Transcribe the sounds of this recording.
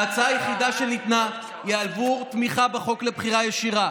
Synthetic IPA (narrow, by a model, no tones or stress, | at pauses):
at͡saajeχid̪aʃenit̪na | jealvut̪miχabeχo̞kle̞bχiʁajeʃiʁa